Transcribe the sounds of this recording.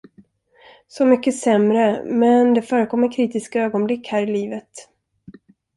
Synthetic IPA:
sɔmʏkːəsɛmɾəmɛnd̪ɛfœːɾəkʰɔmːəɾkʰɾiːt̪ɪskaøːɡɔnblɪkhæːɾɪliːvət̪

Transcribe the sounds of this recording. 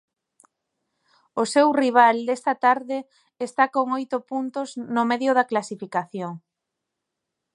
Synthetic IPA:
osewriβ̞ald̪est̪at̪aɾðɪː | st̪akoŋojt̪ʊpunt̪ʊznʊmeðjʊðɐklasifikaθjoŋ

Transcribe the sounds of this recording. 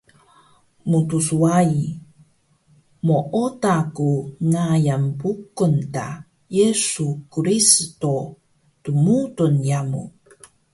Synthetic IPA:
mutusuai | moʔotakunajampukunta̰ | jesukɾisto | tumutunjamṵ

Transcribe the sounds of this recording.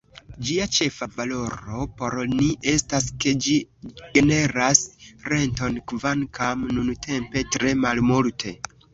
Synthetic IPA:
d͡ʒiat͡ʃe̞favalo̞ɾo̞po̞ɾniʔe̞staske̞d͡ʒiɡ̥e̞ne̞ɾasɾe̞nto̞nkvankʰamnunutʰe̞mpe̞tɾe̞malmultʰe̞̰

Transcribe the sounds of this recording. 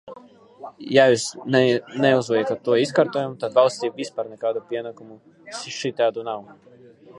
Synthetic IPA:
jajusnɛuzvɛjakat̪ːuɔiskaɾt̪ɔjamt̪ad̪valˠsʲt̪ʲiːvʲispaːɾnɛkaːd̪upʲiɛnakumu | ʃiʃit̪ʲaːd̪unaw

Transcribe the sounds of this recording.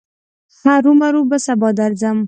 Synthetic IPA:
haɾumaɾubəsabɑd̪aɾzam

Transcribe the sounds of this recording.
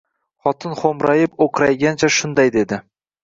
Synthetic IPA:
χɒt̪ʰɪnχomɾajɪpoqʰɨɾajɡʲant͡ʃʰaʃʊnd̪ajd̪e̞d̪ɪ

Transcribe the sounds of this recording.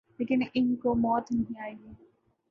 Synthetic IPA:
leːkɪnɪnkomɔːt̪nɐɦĩaːiɡeː

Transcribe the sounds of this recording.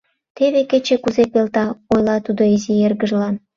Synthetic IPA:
t̪eβeket͡ɕekuzepelt̪ɑojlɑt̪ud̪oizierɣəʒlɑn

